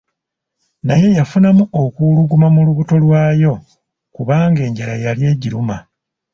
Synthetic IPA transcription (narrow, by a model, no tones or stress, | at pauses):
naje̞jafunamuokuluɡumamuluβuto̞lwaːjo̞ | kuβaːŋɡe̞ːɲɟaɾajalje̞ːɟiɾuma